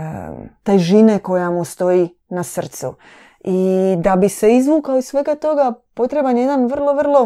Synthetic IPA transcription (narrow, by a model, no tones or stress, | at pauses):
t̪ejʒineko̞jamust̪o̞ji | nasr̩t̪sṵ | id̪abise̞izʋuːkaoisʋe̞ɡat̪o̞ɡapo̞t̪ɾebanje̞d̪anʋr̩lˠo̞ʋrlˠo̞